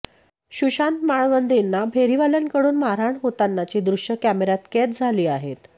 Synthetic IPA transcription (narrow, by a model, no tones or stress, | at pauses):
ɕuɕant̪maɭʋənd̪inːabʱeɾiʋaljankəɽuːnmaɾaɳɦot̪anːat͡ɕiːd̪ɾuɕjəkæmeɾat̪ket̪̚d͡zʱaliːaɦet̪